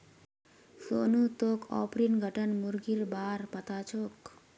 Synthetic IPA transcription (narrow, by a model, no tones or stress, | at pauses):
sonut̪okʰɔ̰pɾinɡʱəʈənmuɾɡiɾbaɾpat̪at͡ʃʰok